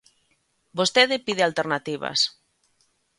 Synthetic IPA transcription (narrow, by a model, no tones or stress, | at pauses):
bost̪eðepiðealt̪eɾnat̪iβa̰s